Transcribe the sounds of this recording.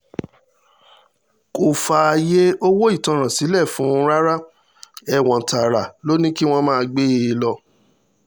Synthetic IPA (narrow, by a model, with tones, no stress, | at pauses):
ko˨fa˨a˧je˦o˦wo˦i˦˨tã˨˧ɾ̃ã˨si˨˦lɛ˦˨fũ˨˦ɾa˦ɾa˦ | ɛ˦˨w̃ɔ̃˨ta˨ɾa˨lo˦nĩ˦ki˦w̃ɔ̃˦mãː˦˧ɡ͡be˦e˨˧˦lɔ˧